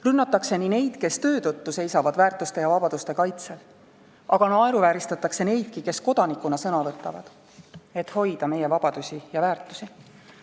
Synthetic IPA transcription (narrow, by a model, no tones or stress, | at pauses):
rynːɑt̪ːˑɑkse̞nine̞jd̪̥ke̞st̪ø̞ːt̪ɤt̪ːuse̞jsɑvɑd̪̥væːrt̪ust̪ejɑvɑbɑd̪̥ust̪e̞kɑjt̪se̞l | ʔɑɡ̥ɑnɑe̞ɾuvæːɾist̪ɑt̪ːˑɑkse̞ne̞jd̪̥̚kike̞sko̞d̪̥ɑnikːˑunɑsɤnɑvɤt̪ːˑɑvɑ̰d̪̥ | e̞t̪ːho̞jd̪̥ɑme̞je̞vɑb̥ɑd̪̥usʲijɑvæːrt̪ːˑu̥si